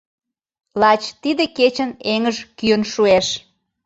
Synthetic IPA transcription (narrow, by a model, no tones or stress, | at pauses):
lɑt͡ɕt̪id̪eket͡ɕəneŋəʒkyənʃueʃ